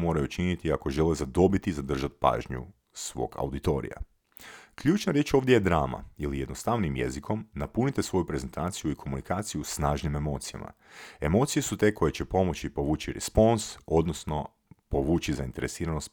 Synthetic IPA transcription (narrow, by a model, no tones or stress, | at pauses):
mo̞ːɾajut͡ʃinit̪iako̞ʒe̞lezad̪o̞bit̪izad̪r̩ʒat̪̚pa̰ːʒɲṵ | sʋo̞̰ːɡa̰wd̪it̪o̞̰ɾḭja̰ | kʎuːt͡ʃnaɾje̞t͡ʃo̞ːʋd̪jejed̪ɾaːma̰ilijed̪no̞st̪aʋnimjḛzikʰo̞mnapunit̪esʋo̞jupɾe̞ze̞nt̪aːt̪sijuikʰo̞munikaːt̪sijusnaːʒnime̞mo̞t̪sija̰ma̰ | e̞mo̞ːt̪sije̞sut̪e̞kʰo̞jet͡ɕe̞po̞mo̞t͡ɕipo̞ʋuːt͡ɕiɾḛspo̞nso̞d̪no̞sno̞ | po̞ʋuːt͡ʃizaint̪e̞ɾe̞siːɾanost̪